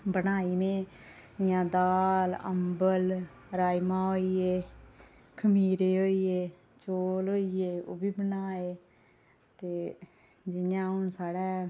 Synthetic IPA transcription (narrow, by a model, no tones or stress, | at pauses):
bənaːiːnẽːjãːd̪aːlə̰mbəl | ɾaːimãːɦoːiːeː | kʰəmiːɾeːɦoːiːeː | t͡ʃoːlɦoːiːeːo̰ːbiːbənaːeː | t̪eː | d͡ʒɪjãːɦʊnsaːɽɛː